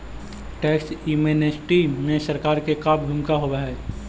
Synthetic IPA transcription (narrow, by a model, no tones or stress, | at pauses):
ʈɛːksumenesʈimẽsəɾkaːɾkekaːb̚ɡʱʊmkaɦobeɦɛ